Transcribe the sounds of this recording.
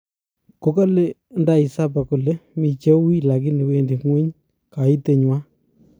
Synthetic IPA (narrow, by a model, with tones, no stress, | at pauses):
ko˦ka˦le˦nda˨i˨sa˦p̬a˨kʊ˨le˦mi˨t͡ʃe˦wi˦la˨ki˦ni˨we˦ndi˨ŋwe˦ɲ | ka˨i˦te˨ɲwa˦